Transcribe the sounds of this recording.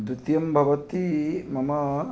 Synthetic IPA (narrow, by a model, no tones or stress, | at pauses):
d̪ɾut̪jɐmbʱɐʋɐt̪imɐmɐ